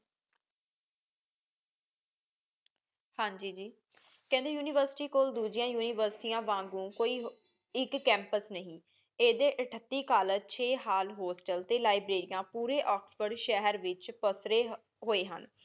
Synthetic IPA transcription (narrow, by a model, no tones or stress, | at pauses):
hãːɲd͡ʒiːd͡ʒiː | kɛ̃nd̪eːjuːniːʋəɾsɪ̥ʈiːkoːld̪uːd͡ʒɪjãːjuːniːʋəɾsʈiːãːʋãːŋɡũːkoːiːɦ | ɪkːɛ̃ːmpəsnəɦĩː | eːd̪eːʔəʈʰət̪ːiːkaːlət͡ʃʰeːɦaːlɦoːsʈəlt̪eːlaːɪbɾeːɾɪjãːpuːɾeːʔɔːksfəɾɖʃɛɦəɾʋɪt͡ʃpəsɾeː | ɦoːeːɦə̰n